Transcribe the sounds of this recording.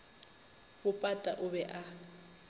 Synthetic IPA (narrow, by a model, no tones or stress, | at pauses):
bʊpʼatʼaʔʊbɛʔa